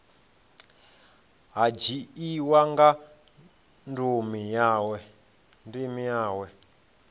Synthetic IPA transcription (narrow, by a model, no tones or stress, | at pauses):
ɦad͡ʒiiwaŋɡa | ndumijaːwɛ | ndimijaːwɛ